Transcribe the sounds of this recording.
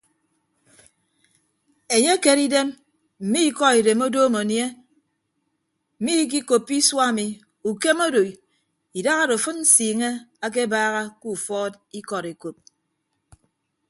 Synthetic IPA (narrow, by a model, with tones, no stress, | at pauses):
e˨ɲe˦ke˨ɾi˦de˦m | m̩˨mi˦i˦kɔ˦i˨de˨mo˦doː˦mo˨nje˦ | m̩˨mi˦k̬i˦ko˨pːi˦swa˦˨mi˨ | u˨ke˦mo˦do˨i˨ | i˨da˦ɣa˦ɾo˨fɨ˦n̩˦siː˨ŋe˦a˦k̬e˦baː˦ɣa˦ku˦˨fɔː˦t | i˦kɔ˨ɾe˨ko˨p̚